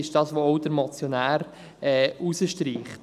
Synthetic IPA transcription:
ɪʃd̥ɑːsʋoɔʊd̥əɾmɔt͡sjɔnæːɾ | ɛːusəʃtɾiːχt

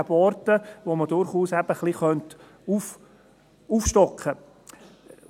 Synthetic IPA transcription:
bɔɾtəʋomədʊɾχuːsæb̥əχlˠiχœnt | uf | ufʃtɔkʰχə

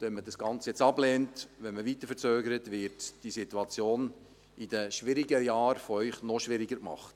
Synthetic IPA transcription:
ɛnmədɑsɡ̥ɑnt͡sjɛt͡sɑblɛːntʋɛnməʋit̪əɾfəɾt͡søːɡəɾətʋɪɾtd̥isituɑt͡sjoːn | id̥əʃʋɪɾiɡəjɑːɾfɔœʏχnɔʃʋɪɾɪɡəɾkmɑ̰χt

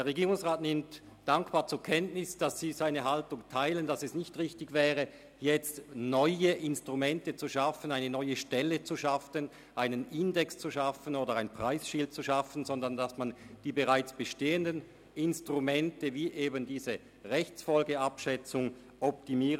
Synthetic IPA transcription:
d̥eːɐʁeɡiːʁʊŋsʁaːtnɪmt | d̥aŋkb̥aːɐt͡suːɐkʰɛntnɪsd̥asːiːzaɪnəɦaltʊŋtʰaɪlənd̥asɛsnɪçtʁɪçtɪɡvɛːʁə | jɛt͡stnɔʏəʔɪnstʁ̥umɛntət͡suʃafənaɪnənɔʏəʃtɛlət͡suʃafən | ʔaɪnənʔɪndɛkst͡suʃafənoːdɐʁaɪnpʁ̥aɪsʃɪlt̚t͡suʃafən̩zɔndɐndasmand̥iːbəʁaɪt͡sb̥əʃteːəndən | ɪnstʁumɛntəviːʔeːbəndiːzə | ʁɛçt͡sfɔlɡəapʃɛt͡sʊŋ | ʔɔp̚timiːə

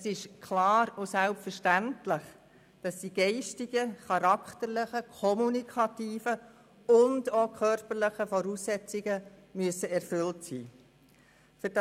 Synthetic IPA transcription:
ɛsɪʃkʰlɑːɾʊsælpfəɾʃtæntlɪχ | d̥ɑsdiːɡ̥ɛɪʃtɪɡ̥əχɑɾɑkχtəɾlɪχəkʰɔmunikʰɑtiːfə | ʊndoːkʰœɾpəɾləχəfɔɾuːsːɛt͡sɪɡə | myəsəɛrfʏltsḭː | fʏɾd̥ɑ

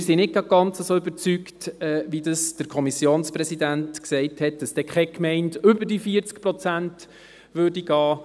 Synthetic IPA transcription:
ɪɾsinɪt̚ɡ̥ɑɡ̚ɡ̥ɑnt͡səsoːyb̥əɾt͡syktɛːʋidəsd̥əɾkʰɔmisjoːnsprɛsidæntksɛɪthɛt̚d̥̪ɑsd̥ɛkχɛkmɛɪntʏbəɾd̥ifiəɾt͡skpɾɔt͡sænt | ʋøːɾdiɡɑː

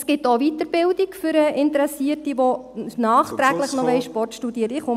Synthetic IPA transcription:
sɡ̥ɪtovitəɾb̥ɪldikfʏɾəʔɪntəɾɛsiətiʋonɑːχt̪ɾæɡləχnɔʋɛɪʃpɔrtʃtudiəɾtɪχʊm

